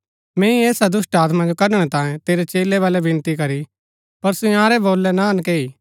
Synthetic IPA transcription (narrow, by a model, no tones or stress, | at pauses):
mɛ̃ːĩeːsad̪ʊsʈaːt̪mãd͡ʒokɐɾɽ̃ɛt̪ãːjẽt̪eːɾɛt͡ʃeːlɛʋaːlɛbʱɪ̃nt̪ikɐɾi | pɐɾsʊjãːɾɛboːlːɛnaɐnkeːiː